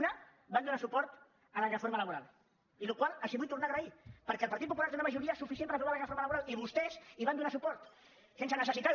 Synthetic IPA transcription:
na | band̪unasupɔɾt̪ | ələrəfoɾmələβuɾalˠ | ilukwalˠəsiβujt̪ːuɾnaːɣɾəipəɾkɛəlˠpaɾt̪it̪̚pupulaɾt̪eunəməʒuɾiəsufis̬jempəɾpɾuβalərəfoɾmaləβuɾalˠiβust̪ɛziβand̪unasupɔɾt̪ | sens̬ənəsəsit̪a

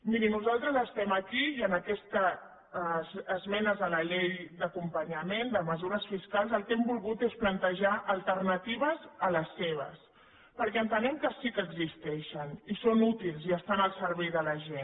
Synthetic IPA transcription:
miɾinuzalˠt̪ɾəzəst̪ɛməkijənəkɛst̪ə | zmɛnəzðələʎejd̪əkumpəɲəmend̪əməzuɾəsfiskalˠzəlˠkɛmbulˠɣut̪esplənt̪əʒaʔəlˠt̪əɾnət̪iβ̞əzələsːeβ̞ə̰s | pəɾkɛənt̪ənɛmkəsikəɡzist̪ɛʃənisonut̪ilˠziəst̪anəlˠsəɾβɛjðələʒen

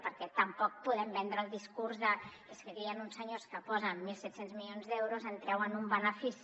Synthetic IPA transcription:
pəɾkɛt̪əmpɔk̚puðɛmbɛnd̪ɾəːlˠd̪iskurzðə | eskəɣiənunsəɲoskəpɔzənmilˠsɛt̪senzmilionzðɛwɾuzənt̪ɾɛwənumbənəfis

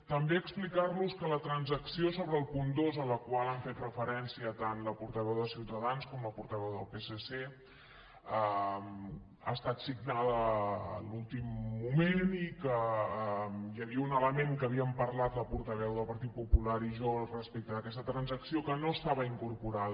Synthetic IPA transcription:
t̪əmbeəksplikarluskələt̪ɾənzəksiosoβɾəːlˠpund̪ozələkwalˠaɱfet̪rəfəɾɛnsiət̪anləpuɾt̪əβɛwðəsiwt̪əðanskɔmləpuɾt̪əβɛwðəlˠpesese | əm | a̰əst̪at̪siɡnaðə̰ːlulˠt̪imːumenikə | jəβiəunələmeŋkəβiəmpəɾlat̪ləpuɾt̪əβ̞ɛwðəlˠpəɾt̪it̪̚pupulaɾiʒorəspɛk̚t̪əðəkɛst̪ət̪ɾənzəksiokənoəst̪aβəiŋkuɾpuɾaðə

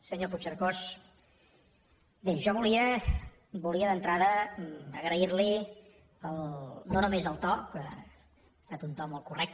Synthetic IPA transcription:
səɲoput͡ʃəɾkos | beʒɔβuliə | buliəðənt̪ɾaðəəɣɾəiɾli | əlˠnonumezəlˠt̪ɔkə | t̪at̪unt̪ɔmolˠkurɛk̚t̪

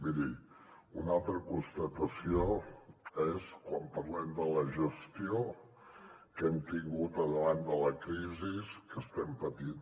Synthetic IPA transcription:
miði | unalˠt̪ɾəkunst̪ət̪əsio | eskwampərlɛmd̪ələʒəst̪io | kɛmt̪iŋɡut̪əðəβand̪ələkɾiziskəst̪ɛmpət̪in

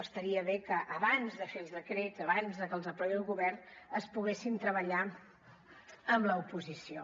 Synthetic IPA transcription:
əst̪əɾiəβekəʔəβanzðəfelˠzðəkɾezəβanzðəkəlˠzəpɾɔjðəlˠɣuβɛrnəspuɣesint̪ɾəβəʎa | əmləupuzisio

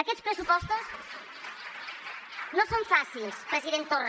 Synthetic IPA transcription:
ɐkeʎʃpɾesupɔʃt̪uʃ | nɐ̃w̃sɐ̃w̃fasilʃpɾɐziɾẽnt̪or

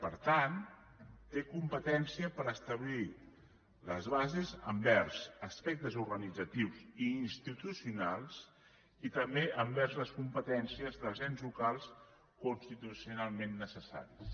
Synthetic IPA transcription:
pəɾt̪an | t̪ekumpət̪ɛnsiəpəɾəst̪əβli | ləzβazezəmbɛrzəspɛk̚t̪əzuɾɣənid͡zət̪iwziːnst̪it̪usiunalˠs | it̪əmbeʔəmbɛɾzləskumpət̪ɛnsiəzðəzɛnzlukalˠs | kunst̪it̪usiunalˠmenːəsəsa̰ɾis

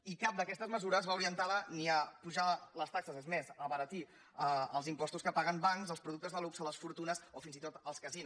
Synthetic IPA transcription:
ikap̚d̪əkɛst̪əzməzuɾəzβauɾiənt̪aləniəpuʒaləst̪aksəzezmezəβəɾət̪i | əəlˠzimpɔst̪uskəpaɣəmbaŋzəlspɾuðuk̚t̪əzðəlupsələsfuɾt̪unəsofinzit̪ot̪əlˠskəzin

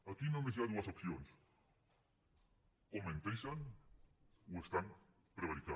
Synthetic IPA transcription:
akinõŋmes̬eaðuasopθjons | omẽnt̪ejsan | oest̪aŋ | pɾeβ̞aɾika

